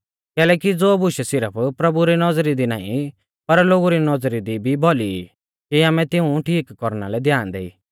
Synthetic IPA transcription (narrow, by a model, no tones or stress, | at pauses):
kɛːlɛːkid͡zoːbʊʃɛsɪɾəpʰpɾɐbuɾinɔd͡zɾid̪ina̰ːḭ̃ | pɐɾloːɡuɾinɔd͡zɾid̪ibʱibʱoli | kiaːmɛ̃t̪ɪũʈʰiːkːɔɾna̰lɛd̪jaːnd̪ḛḭː